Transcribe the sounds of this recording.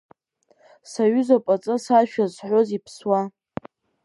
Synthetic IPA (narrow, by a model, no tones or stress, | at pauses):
saɥʊzapʼat͡sʼɨsaʃᶣazħʷozipʰswa